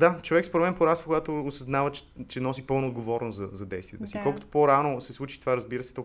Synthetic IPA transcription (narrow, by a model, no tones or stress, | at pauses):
d̪at͡ʃovɛkspɾomɛnpoɾasəkoɡat̪oːsɐznavət͡ʃt͡ʃɛnɔsipɤlˠnoːd̪ɡovɔɾnoszɐzɐd̪ɛjst̪viɛ̰t̪əsiːkɔlˠkʊt̪o̥poɾanosɛslˠut͡ʃit̪ovaɾɐzbiɾəsɛ̥t̪ɔ